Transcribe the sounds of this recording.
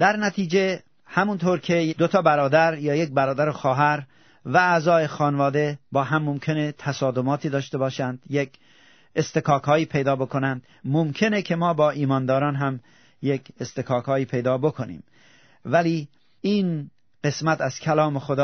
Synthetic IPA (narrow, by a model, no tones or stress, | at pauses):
d̪̥æɾnæt̪ʰiːd͡ʒe̞ | hæmunt̪ʰoːɾkʰed̪ot̪ʰɒːbæɾɒːd̪æɾjɒːjek̚bæɾɒːd̪æɾoxɒːɦæɾ | væːzɒːe̞xɒːnvɒːd̪e̞bɒːɦæmːomkʰe̞net̪ʰæsɒːd̪omɒːt̪ʰiːd̪ɒːʃt̪ebɒːʃænd̪̥jek | est̪ekʰɒːkʰɒːiːpʰe̞jd̪ɒːbo̞kʰonænd̪ | momkʰe̞nekʲʰe̞mɒːbɒːʔiːmɒːnd̪ɒːɾɒːnɦæm | jekʰest̪ekʰɒːkʰɒːiːpʰe̞jd̪ɒːbo̞kʰonḭːm | væliː | iːn | ɢe̞smæt̪æz̥kʲʰælɒːmexod̪ɒː